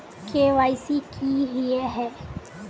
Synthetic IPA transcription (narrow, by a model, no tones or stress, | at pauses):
kʰeʋajsikʰiːɦieɦɛ